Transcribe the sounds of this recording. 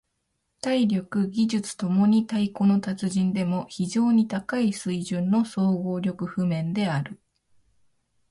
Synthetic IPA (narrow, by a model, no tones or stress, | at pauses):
t̪aiɾʲo̞kɯ̟ɡʲiʑɨt͡sɨ̥t̪o̞mo̞ɲ̟it̪aiko̞no̞t̪at͡sɨʑĩnd̪e̞moçiʑo̞ːɲ̟it̪akaisɨiʑɨ̃nːo̞so̞ːɡo̞ːɾʲo̞kɯ̟ɸɯ̟mẽ̞nd̪e̞aɾɯ̟